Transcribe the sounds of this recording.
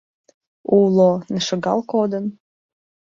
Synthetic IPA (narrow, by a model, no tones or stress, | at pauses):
ulonə̆ʃə̆ɡɑ̰lˠkod̪ə̆n